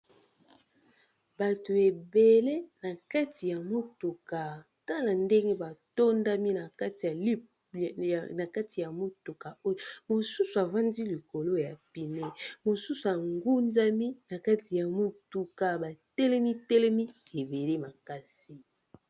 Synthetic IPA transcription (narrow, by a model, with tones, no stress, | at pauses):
ba˨to˨e˨be˨le˦na˨ka˦ti˨ja˨mo˦tu˨ka˨ | ta˦la˨nde˦ŋɡe˦ba˨to˦nda˦mi˦na˨ka˦ti˨ja˨l | na˨ka˦ti˨ja˨mo˦tu˨ka˨o˦jmo˨su˦su˨a˨va˦ndi˦li˨ko˨lo˦ja˨pi˨ne˦mo˨su˦su˨a˨ŋɡu˦nza˦mi˦na˨ka˦ti˨ja˨mo˦tu˨ka˨ba˨tɛ˦lɛ˦mi˦tɛ˦lɛ˦mi˦e˨be˨le˦ma˨ka˦si˦